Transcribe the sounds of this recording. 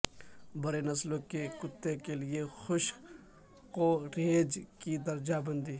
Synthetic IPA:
bɐɾenɐslõkekʊt̪ːekeliexʊʃ | koɾeːd͡ʒkid̪ɐɾd͡ʒabɐ̃nd̪iː

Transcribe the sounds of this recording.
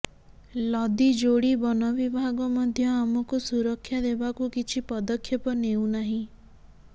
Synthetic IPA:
lɔd̪id͡ʒoɽibɔnɔbibʱaɡɔmɔd̪ʱjɔamɔkusuɾɔkʰːjad̪ebakukit͡ʃʰipɔd̪ɔkʰːjɔpɔnew̃naɦĩ

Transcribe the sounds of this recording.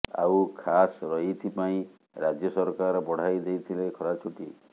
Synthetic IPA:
a̰wkʰasɾɔit̪ʰipaĩ | ɾad͡ʒjɔsɔɾkaɾbɔɽ̤ajd̪ejt̪ʰilekʰɔɾat͡ʃʰuʈi

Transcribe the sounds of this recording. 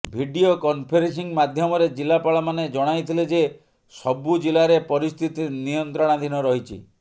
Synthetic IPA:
bʱiɖiokɔmpʰeɾensiŋmad̪ʱjɔmɔɾed͡ʒilapaɭɔmaned͡ʒɔɽ̃ajt̪ʰiled͡ʒe | sɔbud͡ʒilaɾepɔɾist̪ʰit̪inijɔnt̪ɾɔɽ̃ad̪ʱinɔɾɔɦit͡ʃʰḭ

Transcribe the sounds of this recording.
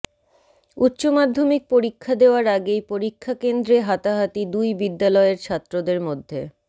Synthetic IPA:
ut̪ːɕomad̪ʱːomik̚poɾikʰːad̪eoaɾaɡejpoɾikʰːakend̪ɾeɦat̪aɦat̪id̪ujbid̪ːalɔeeɾt͡ɕʰat̪ːɾod̪eɾmod̪ʱːe

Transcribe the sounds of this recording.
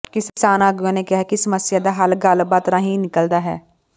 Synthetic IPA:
kɪssaːnaːɡʊãːnekɪɦakisəməsjaːd̪aːɦəlɡəlbaːt̪ɾãːɦĩnɪkəld̪aːɦɛ̰ː

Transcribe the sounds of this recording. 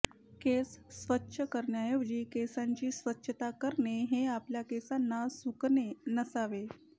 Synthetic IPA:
kesːʋətːɕʰəkəɾɳjajod͡ʑiːkesaɲt͡ɕiːsʋətːɕʰət̪akəɾɳeɦeapljakesanːasuknenəsaʋe

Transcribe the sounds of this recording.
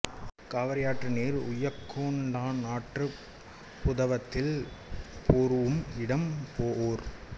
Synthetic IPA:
kaːʋɐɾɐjaːʈrɯneːɾʊ̰jɐkʰːoːɳɖaːnaːʈrɯ | pʊðɐʋɐt̪ːɪl | poːɾɯʋɯmɪɽɐmpoːʔoːɾ

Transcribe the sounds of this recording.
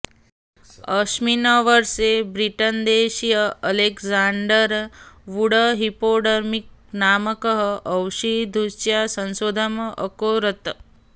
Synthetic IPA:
əʃminaʋəɾsebɾiʈənd̪eːʃijəɐlekzaɳɖəɾʋuɽəɦipoːɖəɾmik̚naːməkəɦəəwʃid̪ʱusjasə̃nsoːd̪ʱaməʔə̰koːɾət̪

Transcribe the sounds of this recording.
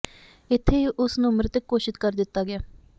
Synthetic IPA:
ɪt̪ʰːeːʔʊsnũːmɾɪt̪əkːoːʃɪt̪kəɾd̪ɪt̪ːaːɡɪjaː

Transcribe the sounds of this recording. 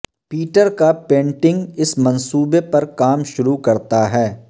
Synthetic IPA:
piːʈəɾkapẽːɳʈɪ̃ŋɡɪsmɐ̃nsuːbepɐɾkaːmʃʊɾukɐɾt̪aɦɛː

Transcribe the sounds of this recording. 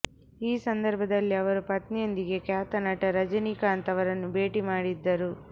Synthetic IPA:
iːsɐnd̪ɐɾbʱɐd̪ɐlːiɐʋɐɾupɐt̪nijond̪iɡekjaːt̪ɐnɐʈɐɾɐd͡ʒɐnikaːɐnt̪ɐʋɐɾɐnːube̞ːʈimaːɽid̪ːɐɾu

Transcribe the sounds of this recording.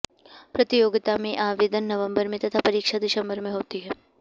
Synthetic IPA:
pɾɐt̪ɪjoːɡɪt̪amẽʔaːʋeːd̪ənːɐʋə̃mbəɾmẽt̪ɐt̪ʰapɐɾiːkʃad̪ɪʃɐ̃mbəɾmẽɦoːt̪iɦɛː

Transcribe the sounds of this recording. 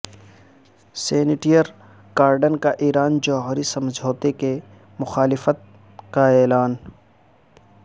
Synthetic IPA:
seːnɪʈijəɾ | ɡ̥aːɾɖənkaʔiːɾaːnd͡ʒɔːɦɾisɐmd͡ʒʱoːt̪eke | mʊxaːlɪfət̪̚ | kaɛːlaːn

